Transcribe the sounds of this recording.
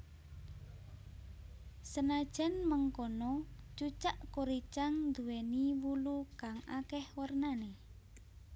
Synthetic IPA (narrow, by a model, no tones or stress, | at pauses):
sənad̥ʒ̥ɛ̤nməŋkɔnɔt͡ʃut͡ʃaʔkoɾit͡ʃaŋnd̪uweniwulukaŋa̰kɛhwərnane